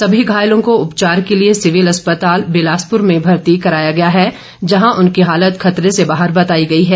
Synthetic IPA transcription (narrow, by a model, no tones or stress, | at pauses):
sɐbʱiɡʱaːjlõkoʊpt͡ʃaːɾkeliesɪʋɪlɐspət̪aːlbɪlaːspʊɾmẽbʱɐɾt̪ikɐɾaːjaɡɐjaɦɛ | d͡ʒɐɦãʔʊnkiɦaːlət̪xʰɐt̪ɾesebaːɦəɾbɐt̪aːiɡɐiɦɛː